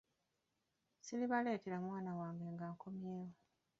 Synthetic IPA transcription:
siliβale̞ːteɾamwaːnawaːŋɡe̞ŋɡaːkʰo̞mjeːwo

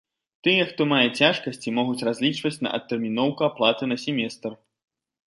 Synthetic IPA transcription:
t̪ɨjɛxt̪ɔmajɛt͡sʲaʂkɐsʲt͡sʲimɔɣut͡sʲrazʲlʲit͡ʂvɐt͡sʲnɐ̰ʔɐ̰t̪ːɛrmʲin̪ɔwkuaplˠat̪ɨnɐsʲɛmʲɛst̪r

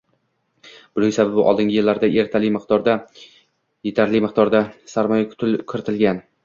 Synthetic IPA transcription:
b̥ʊɾojsababɪʔɒ̰lˠd̪ɪŋɡʲɪjɪlːaɾd̪aʔe̞ɾt̪ʰalɪmɪq̪ɒɾd̪a | jet̪ʰaɾlɪmɪq̚d̪ɒɾd̪asaɾmɒjakʰʊ̥t̪ʰɪlkʲʰɪɾɪt̪ʰɪlɡʲan

